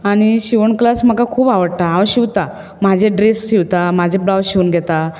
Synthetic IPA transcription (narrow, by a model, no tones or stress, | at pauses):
añiɕiʋəɳklasm̤əkakʰuːpaʋəɽt̪aɦãɕiʋt̪a | m̤ad͡ʑʱeɖɾesɕiʋt̪am̤ad͡ʑʱebɾawɕiʋənɡʱɛt̪a